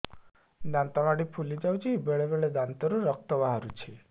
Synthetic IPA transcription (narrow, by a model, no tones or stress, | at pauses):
d̪ant̪ɔmaɽipʰulid͡ʒawt͡ʃʰibeɭebeɭed̪ant̪ɔɾuɾɔk̚t̪ɔbaɦaɾut͡ʃʰi